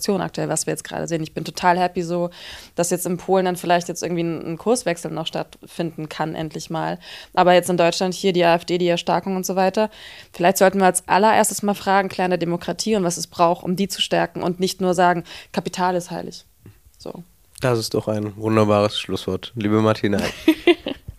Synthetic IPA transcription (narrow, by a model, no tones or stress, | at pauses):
t͡sjoːnʔa̰k̚tuɛlvasviːɐjɛt͡sɡ̥ʁa̰ːdə̰zeːənɪçb̥ɪntʰo̥tʰaːlhɛpizoːd̥asjɛt͡stɪnpʰoːləndanfɪlaɪçtjɛt͡stɪɐɡŋ̩tv̥iːnnkʰʊɐsv̥ɛksl̩nɔχʃta̰tfɪndn̩kʰanʔɛ̰ntʰlɪçmaːlʔaːbɐjɛt͡stɪndɔʏt͡ʃlanthiːɐdiːʔaːɛfd̥eːdiːɛɐʃtɛɐkʊŋʊntz̥oːvaɪtɐfɪlaɪçtz̥ɔltn̩viːɐalsʔa̰lɐʔḛːɐstəsmaːlfʁ̥aːɡŋ̩kʰl̥ɛːʁndeːɐdemokʁ̥atʰiːʊntv̥asɛsb̥ʁaʊxʔʊ̰mdiːt͡su̥ʃtɛɐkŋ̩ʔʊ̰ntnɪçtnuːɐzaːɡŋ̩kʰapitʰaːlɪsthaɪlɪ̰ç | z̥o̰ː | d̥asɪstd̥ɔχaɪnvʊndɐbaːʁəsʃlʊsv̥ɔɐtliːbəmaɐtʰiːna